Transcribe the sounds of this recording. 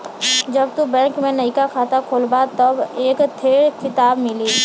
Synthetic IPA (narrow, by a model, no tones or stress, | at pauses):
d͡ʒɐbt̪ubɛ̃ːŋkmẽnɐikakʰaːt̪akʰoːlbat̪ɐbeːkt̪ʰeːɾkʰɪt̪aːbmɪliː